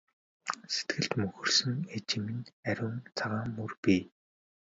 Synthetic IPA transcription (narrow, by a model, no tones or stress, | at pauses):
se̥t̪ɡɘ̆ɬt̪mɵxɵ̆rsɵ̆ŋet͡ɕɪmĭnæɾʲʊːnt͡sʰaʁaːmːɵrpiː